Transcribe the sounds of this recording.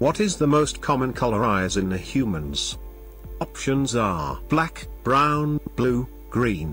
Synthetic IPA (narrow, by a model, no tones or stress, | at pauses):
wʌɾɪzðəmoʊskʰɑmə̃nkʰʌlˠə˞aɪzɨ̃nðɨhjʉmə̃nz̥ | ɑpʃɨ̃nzə˞b̥lækb̥ɹãʊ̃nb̥lu | ɡ̥ɹĩn